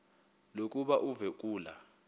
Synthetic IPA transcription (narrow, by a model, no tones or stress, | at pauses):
lokʼuɓaʔuvɛk̬ʼuːla̰